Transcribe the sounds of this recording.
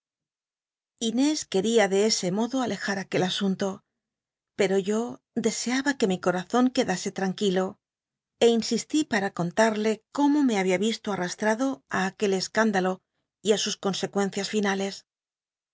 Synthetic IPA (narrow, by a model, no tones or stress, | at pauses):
ine̞ske̞ɾiaðe̞e̞se̞mo̞ðo̞ale̞xaɾake̞lasunt̪o̞ | pe̞ɾo̞ʝo̞ | d̪e̞se̞aβake̞miko̞ɾaθo̞ŋke̞ðase̞t̪ɾaŋkilo̞ | e̞insist̪ipaɾako̞nt̪aɾle̞ko̞mo̞me̞aβiaβist̪oarast̪ɾaðo̞aːke̞le̞skand̪alo̞ | iasusko̞nse̞kwe̞n̟θjasfinale̞s